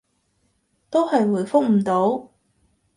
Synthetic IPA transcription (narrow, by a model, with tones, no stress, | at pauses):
t̪o˥whɐ˨jwuː˨˩jfʊ˥k̚m̩˨˩t̪o˨˥w